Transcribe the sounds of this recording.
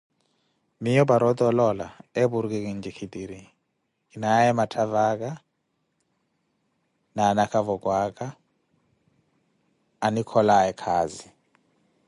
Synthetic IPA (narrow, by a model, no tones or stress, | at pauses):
mijɔbaɾɔt̪ɔlɔla̰ebuɾk̬ʼek̬ʼind͡ʒikʰidiɾi | inaɛmatʰavak̬ʼa | nanakʰavɔkʼwakʼa | nikʰɔlaɛkʰaːzi